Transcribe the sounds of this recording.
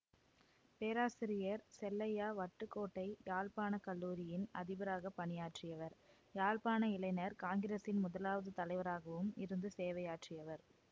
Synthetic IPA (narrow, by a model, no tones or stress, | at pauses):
peːɾaːsɪɾɪjɐɾsɛlːɐjaːʋɐʈːɯkːoːʈːɐɪjaːlpaːnɐkɐlːuːɾɪjɪnɐðɪbɐɾaːɣɐpːɐnɪjaːʈrɪjɐʋɐɾ | jaːlpaːnɐɪlɐɪnɐɾkaːŋɡɪɾeːsɪnmʊðɐlaːʋɐðɯt̪ɐlɐɪʋɐɾaːɣɐʋɯmɪɾɯnd̪ɯseːʋɐjaːʈrɪjɐʋɐɾ